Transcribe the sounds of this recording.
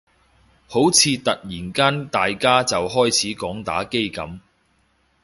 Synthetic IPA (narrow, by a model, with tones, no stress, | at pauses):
ho˨˥wt͡sʰiː˨˧t̪ɐ˨k̚jiː˨˩nkaː˥nt̪aː˨jkaː˥t͡sɐ˨wɦɔː˥jt͡sʰiː˨˥kɔː˨˥ŋt̪a̰ː˨˥ke˥jkɐ̰˨˥m